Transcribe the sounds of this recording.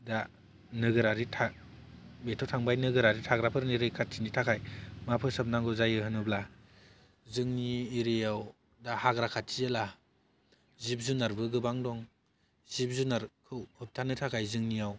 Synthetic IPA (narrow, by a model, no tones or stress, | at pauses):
da | nɯɡɯɾaɾitʰa | betʰɔtʰaŋbajnɯɡɯɾaɾitʰaɡɾapʰɯɾniɾɯjkʰat̚tinitʰakʰajmapʰɯsɯp̚naŋɡɯzajɯhɯnɯbla | zɯŋniːɾejaw | dahaɡɾakʰatʰːijela | zip̚zunaɾbɯɡɯbaŋdɔŋ | zip̚zunaɾkʰɯwhɯp̚tʰanɯtʰakʰajzɯŋnijaw